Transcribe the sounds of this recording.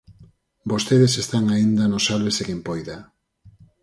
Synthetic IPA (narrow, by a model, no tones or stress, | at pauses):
bost̪eðesest̪aŋaind̪anosalβesekimpojða